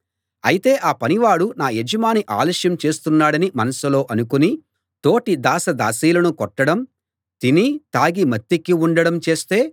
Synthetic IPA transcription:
ɐ̰jit̪e̞ːʔaːpɐniʋaːɽunaːjed͡ʒɐmaːniʔa̰ːlɐːʂjɐmt͡ʃe̞ːst̪unːaːɽɐnimɐnɐsulo̞ːʔɐnukuni | t̪o̞ːʈid̪aːsɐd̪a̰ːsiːlɐnukɔʈːɐɽɐm | t̪init̪aːɡimɐt̪ːikːiuɳɖɐɽɐmt͡ʃe̞ːst̪e̞ː

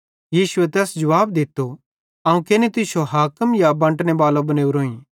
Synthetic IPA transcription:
jiːsʊet̪ɛːsd͡ʒɐʋaːbd̪ɪt̪ːo | ɐũkenit̪ɪsoɦaːkəmjabɐ̃ɳʈnebaːlobɐneːuɾoːĩ

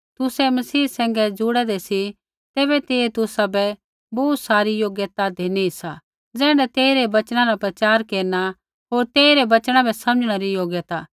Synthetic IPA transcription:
t̪ʊsɛmɐsiːsɛ̃ːŋ̆ɡɛd͡zʊɽɛd̪ɛsi | t̪eːbɛt̪eːet̪ʊsabɛ | bɔːt̪saːɾijoːɡjət̪ad̪ʱeːniisa | d͡zɛ̃ːɽɛt̪eːiɾebɐt͡ʃɽ̃ãɾapɾɐt͡ʃaːɾkeːɾna | ɦoːɾt̪eːiɾɛbɐt͡ʃɽ̃ãbɛsɐməd͡ʒɽ̃aɾijoːɡjət̪aː

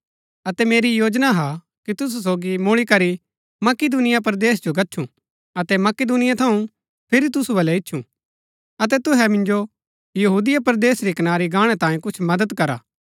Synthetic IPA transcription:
ɐt̪ɛmeːɾijoːd͡ʒnaɦa | kit̪ʊs̬us̬oːɡimʊɭ̃ikɐɾi | mɐkɪd̪uːnɪjap̬ɐɾd̪eːsd͡ʒoɡɐtːʃʰũ | ɐt̪ɛmɐkɪd̪uːnɪjat̪ʰɐũ | pʰɪɾit̪̬ʊsubɐlɛɪtːʃʰṵ̃ | ɐt̪̬ɛt̪ʊɦɛmɪ̃nd͡ʒo | jɐɦuːd̪ɪjapɐɾd̪eːsɾikɐnaːɾiɡaːɽ̃ɛt̪ãːĩkʊt͡ʃʰmɐd̪əd̪kɐɾa̰ː

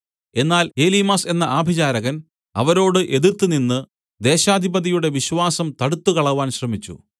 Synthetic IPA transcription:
e̞nːaːle̞ːlimaːse̞nːɐʔaːbʱid͡ʑaːɾɐɣɐn | ɐ̰ʋɐɾo̞ːɽɨʔe̞ðiɾt̪ːɨninːɨ | d̪e̞ːɕaːd̪ʱibɐðijuɽe̞ʋiɕʋaːsɐmt̪ɐɽut̪ːukɐɭɐʋaːnɕrɐmit͡ɕːṵ

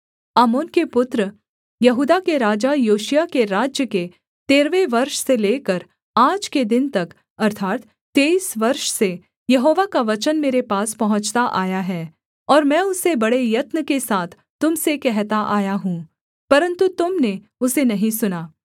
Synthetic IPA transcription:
aːmoːnkepʊt̪ɾə | jɐɦuːd̪akeɾaːd͡ʒajoːʃijakeɾaːd͡ʒjəke | t̪eːɾʋeʋɐɾʃseleːkəɾ | aːd͡ʒked̪ɪnt̪ɐk | ɐɾt̪ʰaːt̪ | t̪ːeːiːsʋɐɾʃse | jɐɦoːʋakaʋɐt͡ʃənmeːɾepaːspɐɦʊ̃t͡ʃt̪aʔaːjaɦɛː | ɔːɾmɛ̃ːʊsːebɐɽejɐt̪nəkesaːt̪ʰ | t̪ːʊmsekɛɦt̪aʔaːjaɦũ | pɐɾə̃nt̪ut̪ʊmne | ʊsenɐɦĩsʊnaː

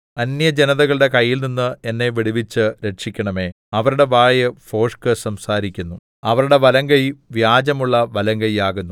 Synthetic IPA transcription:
ɐnjɐd͡ʑenɐðɐɣɐɭɨɽe̞kɐjːilninːɨe̞nːe̞ʋiɽiʋit͡ɕːɨɾe̞ʈʂikʲːɐɳɐme̞ː | ɐʋɐɾuɽe̞ʋaːjɨfo̞ːʂkɨsɐmsaːɾikʲːunːu | ɐʋɐɾuɽe̞ʋɐlɐŋɡɐjiʋjaːd͡ʑɐmuɭːɐʋɐlɐŋɡɐjaːɣunːu

